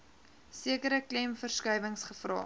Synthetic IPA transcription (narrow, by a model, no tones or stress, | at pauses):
siəkəɾəklɛmfərskœjvəŋsχəfrɑ̰ː